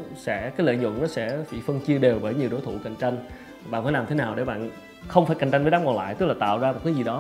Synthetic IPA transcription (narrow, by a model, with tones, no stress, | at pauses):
sɛ̰˧˥kaː˨˦jlə̰ː˧˨jɲʊ̰˧˨nnɔ˨˦sɛ̰˧˥fḭ˧˩fə˧ŋt͡ɕi˧əɗe˨˩wɓəː˧˩jɲi˨˩əwɗo˨˦jt̪ʰṵ˧˨ka̰˧˨jŋ̟t͡ɕa˧jŋ̟˩ | ɓa̰ː˧˨nfaː˧˦laː˨˩mt̪ʰe˨˦naː˨˩wɗe˧˩ɓa̰ː˧˨n | xə˧wŋ͡mfaː˧˩jka˨˩ŋ̟t͡ɕa˧ŋ̟vːaː˨˦kwa˨˩la̰ː˧˨jt̪ɨ˦˥k̚laː˨˩t̪a̰ː˧˨wzaː˧mo˨˩t̚kaː˨˦jzi˨˩ɗɔ˨˦